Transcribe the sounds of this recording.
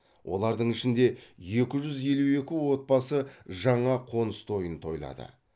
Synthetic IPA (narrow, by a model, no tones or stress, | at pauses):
wʔo̞̰lˠɑɾd̪əɴɪʃɪnd̪e̞je̞kʲɪʒʏzje̞lue̞kʲɪwo̞t̪̚pɑsəʒɑɴɑqʰo̞nəst̪ʰo̞jənt̪ʰo̞jlˠɑ̰d̪ə̰